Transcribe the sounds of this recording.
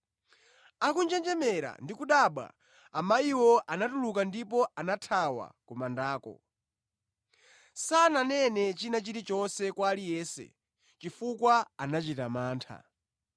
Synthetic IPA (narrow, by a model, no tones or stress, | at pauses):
akund͡ʒɛnd͡ʒɛmɛɾa̰ndikuɗaɓwa̰ː | maiwɔʔanatulukandipɔʔanatʰawa̰kumandaːkɔ̰ | sananɛnɛt͡ʃinat͡ʃiɾit͡ʃɔnsɛkwalijɛːsɛ̰ | t͡ʃifukwaanat͡ʃitamaːntʰa̰